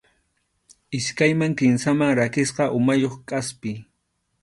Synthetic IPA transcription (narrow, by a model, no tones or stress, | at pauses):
ɪskajmaŋkɪnsamaŋɾakɪsqɑʔʊmajoχkʼaspɪ